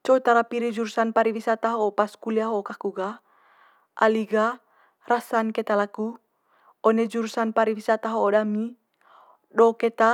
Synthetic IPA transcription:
t͡ʃɔut̪aɾapiɾid͡ʒuɾsanpaɾiwisat̪aɦɔpaskuliaɦokakuɡa | ʔa̰liɡa | rasankɛt̪alaku | ɔnɛd͡ʒuɾsanpaɾiwisat̪aɦoodami | dɔkɛt̪a

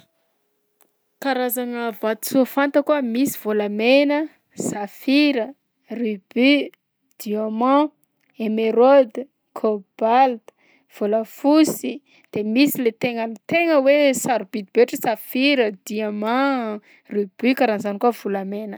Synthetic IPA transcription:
kaɾazanəvat̪suafant̪əkuəmisi̥v̥olamenə | safiɾə | ryb̥y | d̪̥iomã | emeɾod̪ | kʰob̥ald̪̥ | v̥oləfusi | d̪̥emisilet̪eŋənit̪eŋəwesaɾub̥id̪ibeʈ͡ʂəsafiɾəd̪iamã | ryb̥ykaɾanzanikuav̥ulamenə

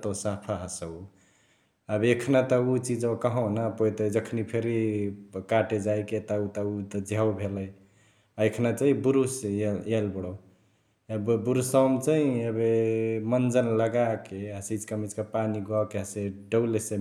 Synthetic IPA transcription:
t̪osapʰaɦəsəu | əbekʰnat̪əut͡ʃid͡ʒokəɦɔ̃napot̪əjd͡ʒəkʰnipʰeɾikaʈed͡ʒajket̪ɔut̪ɔut̪d͡ʒʱawbʱeləj | aekʰnat͡ʃaɦĩbuɾuseelbəɽɔ | bbuɾusawmt͡ʃaĩəbemənd͡ʒənləɡakeəsid͡ʒkəmit͡ʃkapaniɡakeɦəseɖəwlese

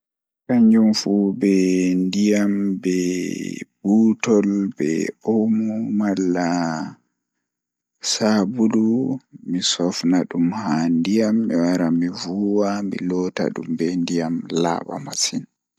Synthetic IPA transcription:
kaɲd͡ʒumfubɛndijambɛ | b̥uːtɔlbɛ̰omumalːa | sabudumisɔfnaɗumhandijamːiwaɾamivuwamḭlɔta̰ɗṵmbɛndijamla̰ːɓa̰masin

